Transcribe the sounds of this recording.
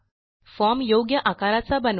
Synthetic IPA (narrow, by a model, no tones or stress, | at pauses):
fɔmjoɡjəʔakaɾat͡sabən